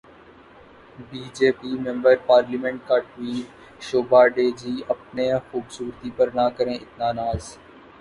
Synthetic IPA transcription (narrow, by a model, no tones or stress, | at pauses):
biːd͡ʒeːpiːmɛ̃mbəɾpaːɾliːmɛ̃ɳʈ̚kaːʈʋiːt | ʃoːbaːɖeːd͡ʒiːəp̚neːxuːbsuːɾt̪iːpəɾnaːkəɾẽːʔɪt̪naːnaːz